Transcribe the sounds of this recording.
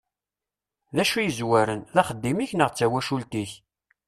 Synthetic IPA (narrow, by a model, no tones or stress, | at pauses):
ðæʃujəzwæɾənðæχəd̪ːimiçnəʁt͡sːæwæʃult̪iç